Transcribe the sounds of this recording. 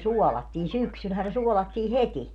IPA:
suɔlɑtːiːn syksylhæː ne suɔlɑtːiː heti

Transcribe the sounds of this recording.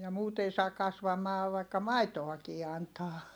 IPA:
jɑ muːt ei sɑː kɑsʋɑmɑː ʋɑikːɑ mɑitoɑkiː ɑntɑː

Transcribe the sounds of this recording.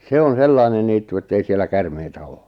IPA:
se on selːɑinen niːtːu etːei sielˑæ kærmeitæ oː

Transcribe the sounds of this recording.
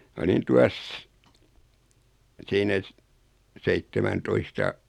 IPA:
mɑ olin tuɑs siːnæ s seitːemæntoistɑ

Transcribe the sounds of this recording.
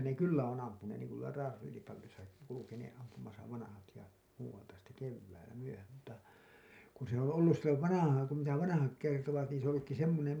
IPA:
ne kylːæ on ɑmpuneːn niːŋ ku tuolɑ rɑːselipɑlːisɑki kulukeneːʔ ʔɑmpumɑsɑ ʋɑnɑhɑt jɑ muːwɑltɑ sitːe keʋːæilæ myøhæm mutːɑ kun se õː olːus silːoʋ ʋɑnɑhɑːŋ kum mitæ ʋɑnɑhɑk kertoʋɑt niːn se õː olːukːi semːonem

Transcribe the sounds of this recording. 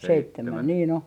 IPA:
seitːemæn niːn o

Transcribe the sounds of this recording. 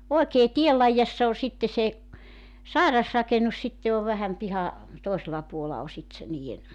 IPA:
oekeː tiel lɑijɑsːɑ o sitːe se sɑˑirɑsrɑkenus sitːe oʋ ʋæhæm pihɑ toˑiselɑ puolɑ o sit se niːen

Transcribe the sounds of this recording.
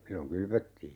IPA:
silːoŋ kylʋøtːiː

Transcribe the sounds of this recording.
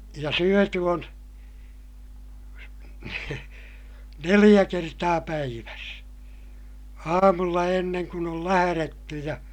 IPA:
jɑ syøty on nelij̆æ kertɑː pæiʋæs ɑːmulːɑ enːeŋ kun ol læhæretːy jɑ

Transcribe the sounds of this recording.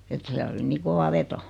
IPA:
et siæl oli niː koʋɑ ʋeto

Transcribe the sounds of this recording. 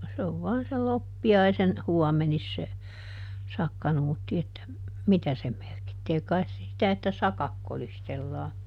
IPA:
se o se oʋ ʋɔɑn sel lopːiɑisen huɔmenis se sɑkːɑnuːtːi etːæ mitæ se merkitːeː kɑi̯s se sitæ etːæ sɑkɑk kolistelːɑː

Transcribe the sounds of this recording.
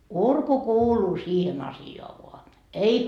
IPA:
urku kuːluː siːhen ɑsioɑ ʋoɑ ei

